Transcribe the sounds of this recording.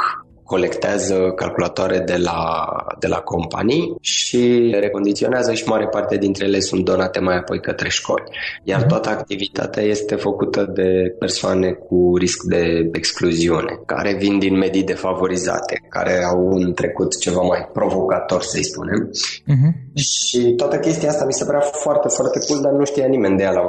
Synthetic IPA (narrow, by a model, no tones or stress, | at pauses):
k | ko̞le̞kt̪eazəkalkulat̪oaɾed̪e̞la̰d̪e̞lʔa̰ko̞mpa̰nijʃiɾe̞ko̞nd̪it̪sio̞neazəʃimaɾe̞part̪ead̪int̪ɾejelesunt̪̚d̪o̞nat̪e̞majapo̞jkət̪ɾe̞ʃko̞̰lʲjart̪oat̪əakt̪ivit̪a̰t̪eaje̞st̪e̞fəkut̪əd̪e̞pe̞rsoane̞k̚ʰuɾiskd̪e̞ekskluziune̞̰ka̰ɾe̞vind̪inme̞d̪id̪e̞favo̞ɾiza̰t̪eka̰ɾe̞awɨnt̪ɾe̞kut̪t͡ʃe̞vamajpɾo̞vo̞kat̪o̞rʲsəjspune̞m | ʃit̪oat̪əkʲe̞st̪ijaast̪amise̞pəɾafoart̪e̞foart̪e̞kuld̪arnuʃt̪ijanime̞nd̪ejala